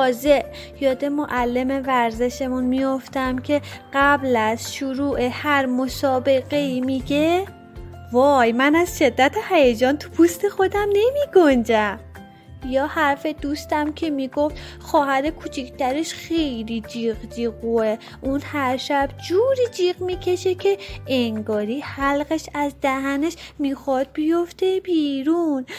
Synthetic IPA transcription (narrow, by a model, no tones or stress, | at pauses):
ɒːze̞ʔ | jɒːd̪e̞moʔælːe̞me̞væɾze̞ʃe̞munmijo̞ft̪æmcʰe̞ɢ̥æblæz̥ʃuɾuːʔehæɾmosɒːbe̞ɣe̞iːmiɟe | vɒːjmænæz̥ʃe̞d̪ːæt̪ʰehæjed͡ʒɒːnt̪ʰu̥pʰust̪ʰe̞xo̞d̪æmne̞miːɡond͡ʒæm | jɒːhæɾfe̞d̪uːst̪æmcʰe̞miɡo̞ft̪ | xɒːɦæɾekʰut͡ʃʰikʰt̪æɾeʃxe̞jlid͡ʒiːɣd͡ʒiːɣue | ʔunhæɾʃæb̥d͡ʒuːɾiːd͡ʒiːɣmiːcʰe̞ʃe̞cʰe̞eŋɡɒːɾiːhælɣeʃæzd̪æhæneʃmiːxɒːd̪̥̚bijoft̪ʰe̞b̥iːɾun